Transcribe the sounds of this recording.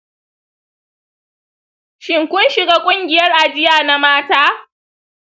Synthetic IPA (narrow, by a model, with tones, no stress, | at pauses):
ʃɪ˨ŋkʷʊ˦nʃɪ˨ɡaː˦kʷʼʊ˦ŋɡʲɪ˨jɐ˦rʔa˨d͡ʒɪ˦jaː˨na˦maː˦taː˦